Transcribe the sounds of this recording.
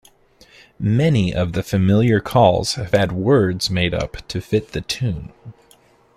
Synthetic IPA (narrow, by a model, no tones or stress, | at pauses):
mɛniʔʌ̰vðɨfɨmɪlˠjə˞kʰɔlˠz̥ɨv̥ɨd̚wɜ˞dzmeɪɾʌ̰ptʰɨfɪt̪̚ðɨtʰʉ̃n